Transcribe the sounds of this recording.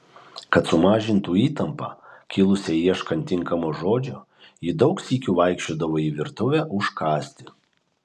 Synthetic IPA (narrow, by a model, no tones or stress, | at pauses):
kɐt̪sʊmɑːʒʲɪnt̪uːiːt̪ɐmpɑ̰ːkʲɪlˠʊsʲɛiɛʃkɐnʲt̪ʲɪŋkɐmoːʒoːd͡ʒʲo | jɪd̪ɒʊksʲiːkʲuːʋɐˑɪkʃʲt͡ʃʲoːd̪ɐʋoːiʋʲɪɾt̪ʊʋʲæːʔʊʃkɑːsʲt̪ʲɪ